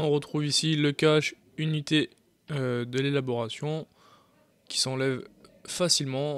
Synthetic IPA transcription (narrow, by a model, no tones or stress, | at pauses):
ɔ̃ʁət̪χuvisiləkaʃ | ynit̪e | ød̪əlelabɔʁasjɔ̃ | kʲi̥sɑ̃lɛvfasilmɑ̃